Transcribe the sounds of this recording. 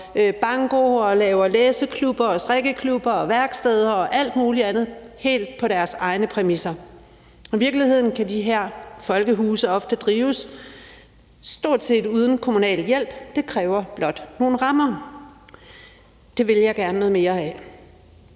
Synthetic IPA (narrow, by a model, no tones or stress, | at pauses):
b̥ɑ̈ŋɡ̥o̝ɒ̽lɛːʊɐleːsəkʰlub̥ɐɒ̽sd̥ʁɛɡ̥əkʰlub̥ɐɒ̽ʋæɐɡ̥sd̥eð̞ˠɐɒ̽ʔæl̰d̥muːliænð̞̩ˠ | he̝̰ːld̥̚pʰɒ̽ɾ̥æɐsɑ̈ɪnəpʰʁɛmisɐ | iʋiɐɡ̥lihe̝ð̞̰ˠn̩kʰædiɦæɐ̰fɒ̽lɡ̥əɦuːsəɒ̽fd̥əd̥ʁiːʊs | sd̥o̝ɐ̰d̥se̝̰ːd̥uð̞ˠn̩kʰo̝munɛ̰ːljel̰b̥d̥e̝kʰʁɛːʊɐb̥lɒ̽d̥no̝ːn̩ʁɑ̈mɐ | d̥e̝ʋe̝ljɑ̈ɪɡ̥æɐnənɔðˠme̝ːɐæ